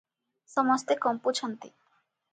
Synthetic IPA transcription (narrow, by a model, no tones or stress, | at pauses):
sɔmɔst̪ekɔmput͡ɕʰɔnt̪ḭ